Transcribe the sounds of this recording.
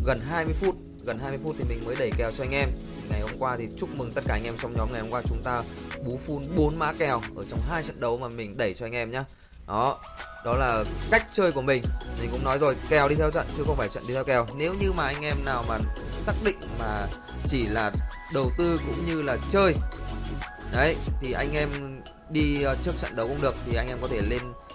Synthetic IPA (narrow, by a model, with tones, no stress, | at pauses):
ɣə˨˩nɦaː˧jmɨ˧əjfu˦˥t̚ | ɣə˨˩nhɦaː˧jmɨ˧jfu˦˥t̚t̪ʰi˨˩mi˨˩ŋ̟məː˨˦jɗə˧˩jkɛ˨˩wt͡ɕɔ˧ʔa˧jŋ̟ʔɛ˧m˨˩ | ŋa˨˩jho˧mŋ͡mkwaː˧t̪ʰi˨˩t͡ɕʊ˦˥k͡p̚mɨ˨˩ŋt̪t̚kaː˧˩ʔjŋ̟ʔɛ˧mt͡ɕɔ˧wŋ͡mɲɔ˨˦mŋa˨˩jho˧ŋ͡mkwaː˧t͡ɕʊ˨˦ŋ͡mt̪aː˧ɓu˨˦fu˧nɓo˨˦nma̰ː˨˦kɛ˨˩wʔəː˧˩t͡ɕɔ˧wŋ͡mɦaː˧jt͡ɕə̰˧˨nɗə˨˦wmaː˨˩mï˨˩ŋ̟ɗə˧˩jt͡ɕɔ˧ʔa˧ŋʔɛ˧mɲaː˧˦ | ɗɔ˨˦ | ɗɔ˨˦laː˨˩ka˦˥jk̟̚t͡ɕəː˧jku˧˩əmï˨˩ŋ̟mi̟˨˩kʊ̰˧˥ŋ͡mnɔ˨˦jzo˨˩jkɛ˨˩wɗi˧t̪ʰɛ˧wt͡ɕə̰˧˨nt͡ɕɨ˧xə˧wŋ͡mfaː˧˩t͡ɕə̰˧˨nɗi˧t̪ʰɛ˧wkɛ˨˩wne˨˦wɲɨ˧maː˨˩ʔa˧jŋ̟ʔɛ˧mnaː˨˩wmaː˨˩saː˦˥k̚ɗḭ̈˧˨ŋ̟maː˨˩ | t͡ɕi˧˩laː˨˩ | ɗə˨˩wt̪ɨ˧kʊ̰˧˥ŋ͡mɲɨ˧laː˨˩t͡ɕəː˧j | ɗə˨˦jt̪ʰi˨˩ʔa˧jŋ̟ʔɛ˧m | ɗi˧t͡ɕɨ˦˥ək̚t͡ɕə̰˧˨nɗə˨˦wkʊ̰˧˥ŋ͡mɗɨ˨˩ək̚t̪ʰi˨˩ʔa˧jŋʔɛ˧mkɔ˨˦t̪ʰe˧˩le˧n